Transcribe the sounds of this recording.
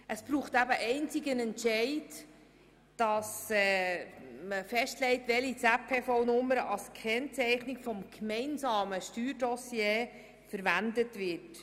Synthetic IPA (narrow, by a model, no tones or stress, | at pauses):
ʔəsb̥ɾuːχtæbəʔɛɪnt͡sɪɡənɛntʃɛɪd | d̥ɑsɛː | məfɛʃtlɛɪtʋɛlit͡sæpʰːeːfɔʊnʊmːəɾəʔɑlskʰɛnt͡sɛɪχnɪkfɔmkmɛɪnsɑːməʃtyːɾdɔsjeː | fəɾʋændətʋɪt